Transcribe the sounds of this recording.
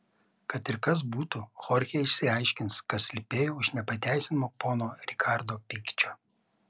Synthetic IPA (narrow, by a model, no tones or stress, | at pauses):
kɐt̪ɪɾkɐs̬buːt̪uxɔɾʲxʲeɪʃʲsʲɪɐɪʃʲkʲɪnskɐt̪sʲlʲɪpʲeːjoːʊʃnʲɛpɐt̪ʲæˑɪsʲɪnmoːpoːnoːɾʲɪkʰɑˑɾd̪oːpʲɪkʲt͡ʃʲoː